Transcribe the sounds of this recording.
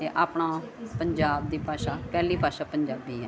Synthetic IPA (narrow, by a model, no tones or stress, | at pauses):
t̪eːʔaːpɳaːpəɲd͡ʒaːbd̪iːpaːʃaːpɛːliːpaːʃaːpəɲd͡ʒaːbiːɦɛː